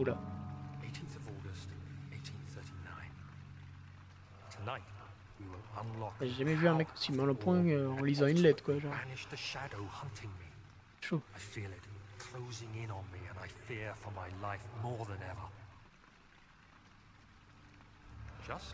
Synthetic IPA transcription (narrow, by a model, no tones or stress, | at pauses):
ulaeɪtʰĩnθʌvɔɹɡɨsteɪtʰĩnθɜ˞ɾinã̰ɪ̃n | tʰənaɪt̚ | wiwɪlˠə̃nlɑkʒeʒamɛvyɛ̃mɛko̥simɑ̃lɔpwɛ̃øɑ̃lizɑ̃ynlɛt̪χkwaʒɑ̃ænɪʃðɨʃæɾoʊhʌ̃ntʰɪ̃ŋmi | ʃoaɪfilˠɪt̚kʰl̥oʊzɪ̃ŋɪ̃nə̃nmiɨ̃naɪfiɹfə˞maɪlaɪfmɔɹðə̃nɛvə˞ | d̥ʒ̥ʌst